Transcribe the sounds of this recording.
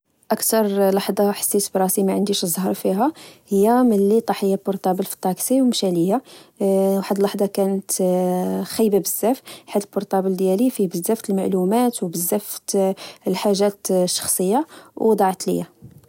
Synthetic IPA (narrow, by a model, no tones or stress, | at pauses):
ʔəkt̪ɑɾˤlɑħd̪ˤɑħə̥sːisbɾˤɑsimæʕənd̪iʃzˤːhəɾˤfiɦæhəjːæməlːit̪ˤɑħəjːabʊɾt̪ˤɑbəlfi̥t̪ˤːɑksiwmʃæləjːa | wħəd̪lɑħd̪ˤɑkænət̪ | xæjːbabəz̥ːæfħad̪əlbʊɾt̪ˤɑbəld̪jælifibəzːæft̪əlmaʕlumæt̪wbəzːæft̪lħaʒːæt̪ʃːɑ̥xsˤəjːawd̪ˤɑʕt̪lə̰jːæ